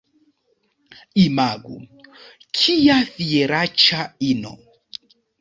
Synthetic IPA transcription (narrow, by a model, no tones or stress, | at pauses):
imaɡṵ | kʰijaθiɛɾat͡ʃainɔ̰